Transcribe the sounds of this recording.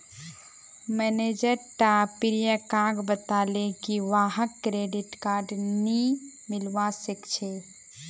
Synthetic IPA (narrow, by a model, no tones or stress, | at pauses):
mɛned͡ʒəɾʈapiɾijəkaɡbət̪aːlekiʋaːɦəkːɾeɖiʈkaːɾɖni | mɪlwasəkt͡ʃʰe